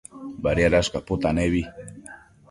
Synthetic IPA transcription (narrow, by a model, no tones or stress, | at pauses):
baɾjaɾaskapʊt̪aneβi